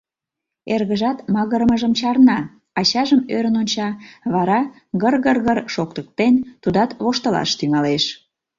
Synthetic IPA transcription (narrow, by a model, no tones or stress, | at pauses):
erɣəʒɑt̪mɑɣəɾməʒəmt͡ɕɑrnɑ | ɑɕɑʒəmøɾənonʲt͡ɕɑβɑɾɑ | ɣərɣərɣərʃokt̪ək̚t̪ent̪ud̪ɑt̪βoʃt̪ə̆lɑ̰ʃt̪yŋɑleʃ